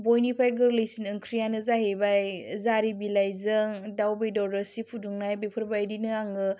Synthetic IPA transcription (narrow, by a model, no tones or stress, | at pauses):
bojnipʰajɡɯlɯjsinɯŋkʰɾijanɯzaɦebajzaɾibilajzɯŋdawbejdɔɾɯsipʰuduŋnajbepʰɯɾbajdinɯaŋɯ